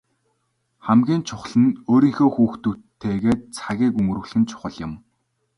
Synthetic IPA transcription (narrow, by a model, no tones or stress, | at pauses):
χæmɡʲiːnt͡ɕʰʊχɮə̆noːɾiːŋxoːxuːxt̪uːt̪ʰːeːɣeːt̪̚t͡sʰaɣʲiːkuŋ̆rɘ̆ɣɮxɘ̆nt͡ɕʰʊ̥χə̆ɮjɪ̆m